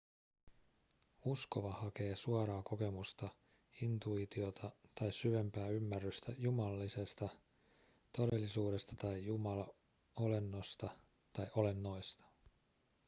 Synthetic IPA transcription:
usko̞ʋɑhɑke̞ːsuoɾɑːko̞ke̞must̪ɑ | int̪uit̪io̞t̪ʰɑt̪ɑjssyʋe̞mpæːymːærːyst̪æjumɑlɑlːise̞st̪ɑ | t̪o̞de̞lːisuːde̞st̪ɑ̥t̪ɑjjumɑlɑ | o̞le̞nːost̪ɑ | t̪ɑjʔo̞le̞nːo̞jst̪ɑ̥

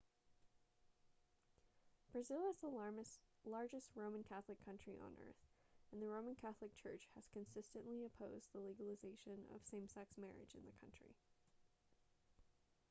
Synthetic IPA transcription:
b̥ɹɨzɪlˠɨzəlɑɹmɨslɑɹd͡ʒɨst̚ɹõʊ̃mɨ̃nkʰæθlɨkʰʌ̃nt͡ʃɹ̥iʔə̰̃nɜ̰˞θɨ̃nðɨɹõʊ̃mɨ̃nkʰæθlˠɨk̚t͡ʃʰɜ̰˞t͡ʃhɨz̥kɨ̃nsɪstɨ̃nʔliɨpʰoʊzðəliɡəl̩ˠəzeɪʃɨ̃nʌ̰v̥sẽɪ̃msæksmɛɹɨ̰d͡ʒɨ̰̃nðɨkʰʌ̰̃nt͡ʃɹ̥ḭ

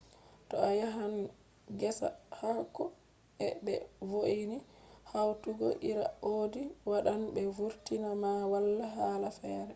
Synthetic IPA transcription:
tɔajaɦan | ɡɛsa̰hakɔ | ɛbɛ̰voʔinihawtuɡɔ̰ʔiɾa̰oːdiwaɗanbɛvuɾtinamawalːaɦaːlafɛːɾɛ

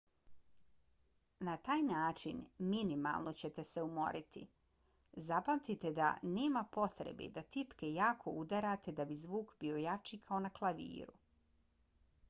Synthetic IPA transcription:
nat̪aːjnaːt͡ʃinminima̰lˠno̞t͡ɕe̞t̪e̞seumo̞̰ɾʔit̪ḭ | zapamt̪it̪e̞d̪a̰ne̞ːmapo̞t̪ɾḛbḭd̪at̪ipke̞jaːkʰo̞̰ud̪aɾat̪e̞d̪abizʋuːkbio̞jat͡ʃikʰao̞naklˠaʋḭːɾṵ

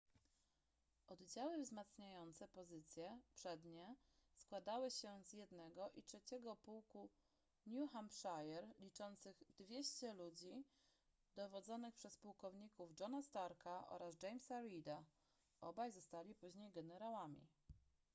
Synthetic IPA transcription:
ʔɔd̪d͡ʑawɘvzmat̪sɲajɔnt̪sɛpɔzɘt̪sʲjɛpʂɛd̪ɲɛ | skwad̪awɘɕɛzjɛd̪nɛɡɔʔitʂɛt͡ɕɛɡɔpuwku | ɲʲuxampʂajɛɾlʲit͡ʂɔnt̪sɘɣd̪vʲjeɕt͡ɕɛlud͡ʑi | d̪ɔvɔd̪zɔnɘxpʂɛspuwkɔvɲikuvd͡ʐɔnast̪aɾkaʔɔ̰ɾazd͡ʐɛjmsaɾid̪a | ʔɔbajzɔst̪alʲipuʑɲejɡɛnɛɾawamʲḭ

